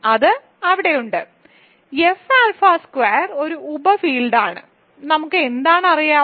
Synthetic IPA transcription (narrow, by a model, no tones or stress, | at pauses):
ɐðɨ | ɐʋiɽe̞juɳɖɨ | efaːlfaːskweːɐro̞ɾuubɐfiːlɖaːɳɨ̰ | nɐmukːɨend̪aːɳɨɐrijaː